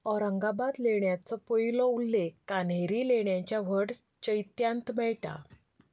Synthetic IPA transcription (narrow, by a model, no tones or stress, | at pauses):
ɔɾəŋɡabad̪leɳjat͡sɔpojlɔulːekːanɦeɾileɳjãt͡ɕjaʋəɽ | t͡ɕəjt̪jãnt̪mɛɭʈa̰